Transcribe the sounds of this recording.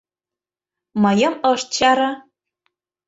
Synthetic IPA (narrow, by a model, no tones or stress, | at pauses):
mɤjɤ̆mɤ̆ʃt̪̚t͡ɕɑɾɤ̆